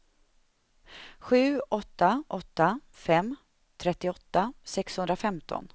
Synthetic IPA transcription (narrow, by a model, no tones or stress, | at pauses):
ɧʉ̟ːɔt̪ːaʔɔt̪ːa | fɛm | t̪ʰɾɛt̪ːɪɔt̪ːasɛkshɵnd̪ɾafɛmt̪ʰɔ̰n